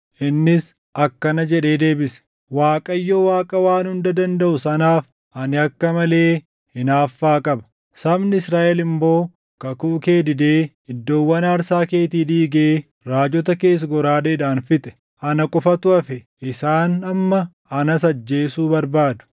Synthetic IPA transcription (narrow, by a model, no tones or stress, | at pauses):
ʔɪnːɪs | ʔɐkːɐnɐd͡ʒɛᶑe̞ːd̪e̞ːbɪsɛ̥ | waːkʼɐjːowaːkʼɐwaːnhʊnd̪ɐd̪ɐnd̪ɐʔʊsɐnaːf | ʔɐnɪɐkːɐmɐle̞ː | hɪnaːfːaːkʼɐbɐ̥ | sɐbnɪɪsɾaːʔɛlɪmbo̞ː | kɐkuʔke̞ːd̪ɪd̪e̞ː | ɪd̪ːo̞ːwːɐnɐːɾsaːke̞ːt̪iːd̪iːɡeː | ɾaːd͡ʒɔt̪̬ɐke̞ːs̬ɡɔɾaːd̪eːᶑaːnfɪt̪ʼɛ̥ | ɐnɐkʼʊfɐt̪ʊɐfɛ | ɪsaːnɐmːɐ | ɐnɐsɐd͡ʒːeːsuːbɐɾbaːd̪ʊ̥